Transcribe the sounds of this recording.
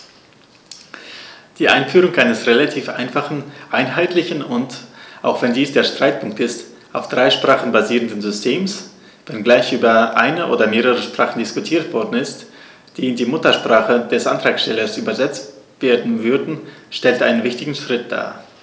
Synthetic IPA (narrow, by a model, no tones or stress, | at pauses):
d̥iːʔa̰ɪnfyːʁʊŋʔaɪnəsʁelatʰiːfʔa̰ɪnfaχn̩ʔaɪnɦaɪtʰlɪçnʊntʔaʊxv̥ɛndiːsd̥eːɐʃtʁ̥aɪt̚pʰʊŋk̚tɪst | ʔaʊfd̥ʁaɪʃpʁ̥aːχn̩baziːʁəndənzʏstʰeːms | vɛnɡlaɪçʔyːbɐʔaɪnəʔoːdɐmeːʁəʁəʃpʁ̥aːχn̩dɪskʊtʰiːɐtv̥ɔɐdn̩ɪst | d̥iːɪndiːmʊtɐʃpʁ̥aːχəd̥ɛsʔa̰ntʁ̥aːkʃtɛlɐsʔyːbɐzɛt͡st | v̥eːɐdn̩vʏɐdn̩ʃtɛltʔaɪnənvɪçtɪɡŋ̩ʃʁ̥ɪt̚d̥a̰ː